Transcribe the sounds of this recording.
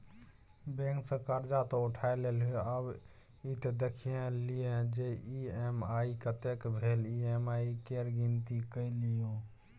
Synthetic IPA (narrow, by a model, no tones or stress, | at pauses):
bẽŋksə̃kəɾd͡ʒat̪ɔuʈʰaeleləb | it̪ed̪ekʰijẽlijed͡ʒeiemaikət̪ekbʱeliemaikeɾɡint̪ikəjlijo